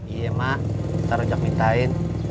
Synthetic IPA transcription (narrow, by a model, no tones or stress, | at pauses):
ijemaʔsaɾɔd͡ʒak̚mit̪ain